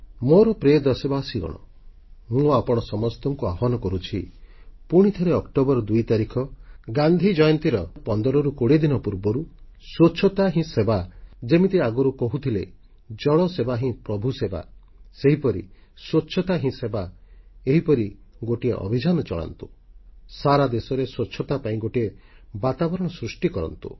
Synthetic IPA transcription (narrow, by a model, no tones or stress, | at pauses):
moɾɔpɾeɔd̪ɔsebaɔsiɡɔ̰ɽ̃ɔ̰ | mũapɔɽ̃ɔsɔmɔst̪ɔŋkuaɦɔnɔkɔɾut͡ʃʰi | puɽ̃it̪ʰɔɾeɔkʈobɔɾɔd̪ujt̪aɾikʰɔɡand̪ʱid͡ʒɔjɔnt̪iɾɔpɔnd̪ɔɾɔɾukoɽed̪inɔpuɾbɔɾuswot͡ʃʰɔt̪aɦĩsebad͡ʒemit̪iaɡɔɾukɔɦut̪ʰile | d͡ʒɔɭɔsebaɦĩpɾɔbʱuseba̰ | seɦipɔɾḭ | swot͡ʃʰːɔt̪aɦĩsebaeɦipɔɾiɡoʈiḛʔɔ̰bʱid͡ʒanɔt͡ʃɔ̰ɭa̰nt̪u̥saɾad̪esɔɾeswot͡ʃʰːɔt̪apaĩɡoʈiebat̪abɔɾɔɽ̃ɔsɾusʈikɔɾɔ̰nt̪ṵ